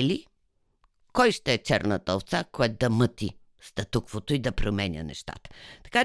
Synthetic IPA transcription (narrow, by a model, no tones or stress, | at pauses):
li | kɔjʃt̪ɛɛt͡ʃɛɾnət̪əot̪sakɔɛt̪̚d̪ɐmɤt̪i | st̪ɐt̪ukvot̪oid̪ɐpɾomɛnʲə̰nɛ̰ʃt̪a̰t̪ə̥t̪ɐ̥ka